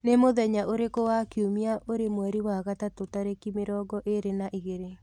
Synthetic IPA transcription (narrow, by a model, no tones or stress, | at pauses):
nemoðɛɲaʔoɾekowakiumiaʔoɾemwɛɾiwaɣatatotaɾekimeɾɔːɡɔʔeɾenaʔiɣeɾe